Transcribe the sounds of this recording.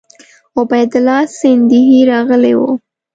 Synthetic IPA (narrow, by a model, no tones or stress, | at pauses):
ʊbajd̪ʊlɑsɪnd̪ɪɦiɾɑɣəlewo̰